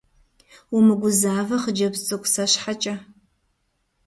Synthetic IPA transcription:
umɨɡʷʊzaːvɐχəd͡ʒɐbt͡sʼɨkʷsɐɕħat͡ʃʼɐ

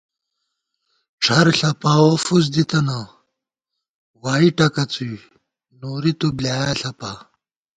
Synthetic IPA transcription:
ʈ͡ʂʰɐɾɬɐpaːwofuz̬d̪it̪ɐna | waːiʈɐkɐt͡suj | noːɾit̪ublaːjaɬɐpa

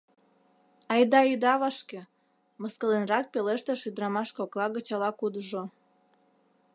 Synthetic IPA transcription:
ɑjd̪ɑid̪ɑβɑʃke | məskəlenrɑk̚peleʃt̪eʃyd̪ɾɑmɑʃkoklɑɣət͡ɕɑlɑkud̪əʒo

